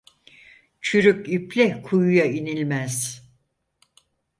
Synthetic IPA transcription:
t͡ʃʰyɾykyplʲɛkʰujujainilʲmæz̥

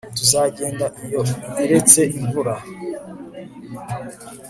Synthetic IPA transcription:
tuzaɡe̞ːndaʔijo̞eɾe̞t͡se̞ʔiɱvuɾa

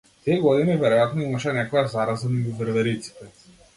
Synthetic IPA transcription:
t̪iɛɡɔd̪inivɛɾɔjat̪nɔimaʃɛnɛkɔjazaɾazaniɡuvəɾvɛɾit̪si̥t̪ɛ

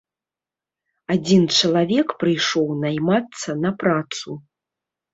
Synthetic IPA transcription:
ad͡zʲint͡ʂɐlˠavʲɛkpɾɨjʂɔwnajmat̪sːɐnɐpɾat̪su

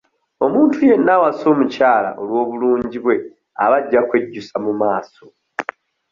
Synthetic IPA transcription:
o̞muːntʰuje̞nːawaso̞ːmucaːla̰ʔo̞lwo̞ːβuluːɲɟiβwe̞ | a̰βaɟːakwe̞ɟːusamumaːso̞

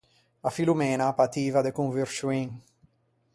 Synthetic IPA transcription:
afilumɛːnapat̪iːvad̪ekuɱviɾʃuiŋ

